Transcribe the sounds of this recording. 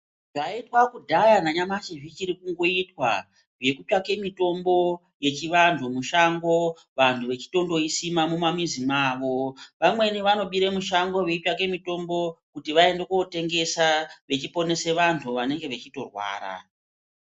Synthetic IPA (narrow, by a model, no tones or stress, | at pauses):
ʐaitwakudʱajanaɲamat͡ʃiʐit͡ʃiɾikuŋɡo̞itwa̰ | ʐje̞kut͡ʃake̞mito̞mbo̞ | je̞t͡ʃiʋantʰumuʃaŋɡo̞ | ʋantʰuʋe̞t͡ʃi̥to̞ndo̞isimamumamizimaːʋo̞ʋamwe̞niʋano̞ɓiɾemuʃaŋɡo̞ʋekuake̞mito̞mbo̞kutiʋae̞ndekote̞ŋɡe̞saʋe̞t͡ʃipo̞ne̞se̞ʋantʰuʋane̞ŋɡe̞ʋet͡ʃito̞rwa̰ːɾa̰